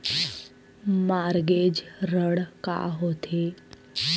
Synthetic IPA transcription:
maɾɡed͡ʒɾəɽka̰ɦot̪ʰe

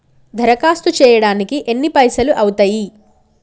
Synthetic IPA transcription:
d̪ʱɐɾɐkaːst̪ut͡ʃɛːjɐɽaːnikiʔenːipɐjsɐluʔɐwut̪ɐːji

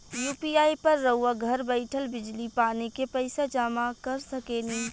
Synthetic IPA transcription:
juːpiaːjpəɾːəɦuwaɡʱəɾbəɪʈʰəlbɪd͡ʒlipaːnekepəɪsad͡ʒaːmakəɾsəkeːni

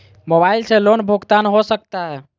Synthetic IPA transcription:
mobailselonbʱoɡt̪anɦosək̚t̪aɦɛ

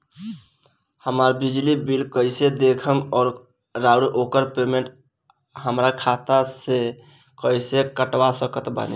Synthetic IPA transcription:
həmaːɾbid͡ʒlibilkəɪsed̪ekʰəmɔːɾ | ɾaʊɾʔoːkəɾpemẽɳʈ | ɦəmɾakʰat̪asekəɪsekəʈwasəkət̪ba̰ːnḭ

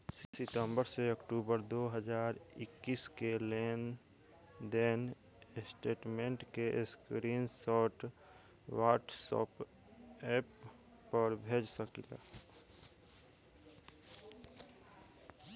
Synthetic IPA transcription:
ssɪt̪əmbəɾseəkʈuːbəɾd̪oːɦəd͡ʒaːɾɪkːiːskeleːn | d̪en | sʈeːʈmẽɳʈkeʔskɾiːnsɔːʈ | waːʈsɔ̰ːp | ɛːpː | əɾbʱeːd͡ʒsəkila̰ː

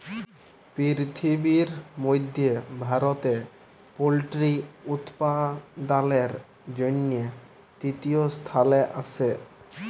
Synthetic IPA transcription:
pɾiɾt̪ʰibiɾmojd̪ʱjebʱaɾot̪e | polʈɾiut̪pad̪aleɾ | d͡ʑonːije | t̪it̪iost̪ʰaleʔasʰe

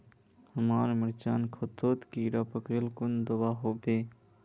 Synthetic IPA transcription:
həmaːɾmɪɾt͡ʃaːnkʰot̪ʰoːt̪kiɾapəkelkʊnd̪əbaːɦoːbeː

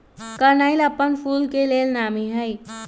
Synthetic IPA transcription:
kəɾnaɪləpːənpʰuːlkeleːlnaːmiɦəj

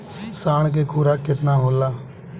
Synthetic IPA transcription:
saːɳ̃k̬eːkʰuːɾaːkɪt̪naːɦoːlaː

